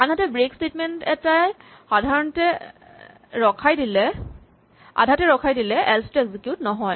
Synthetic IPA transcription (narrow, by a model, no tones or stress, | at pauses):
anɦatɛbɹekstetmɛntɛtaj | xadʱaɹɔntɛ | ɹɔkʰajdilɛ | a̰dʱatɛɹɔkʰajdilɛʔɛlstɛɡzikjutnɔɦɔj